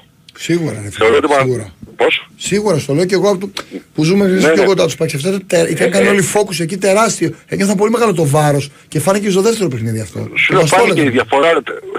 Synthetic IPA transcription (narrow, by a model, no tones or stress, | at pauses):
siɣuɾɐ̰nefeoɾot̪imiɣuɾɐpossiɣuɾɐsu̥t̪o̞le̞oceɣoɐpot̪upuzumekɾinispçokod̪ɐt̪uspɐksɐft̪ot̪t̪eit̪ɐnkɐnio̞lifo̞kusecit̪e̞ɾɐst̪ioecineθɐp̬o̞lime̞ɣɐlot̪o̞vɐɾo̞s | ce̞fɐnicest̪oðeft̪e̞ɾo̞pexniðiɐft̪o̞̰ss̬oleeiðʝɐfoɾɐ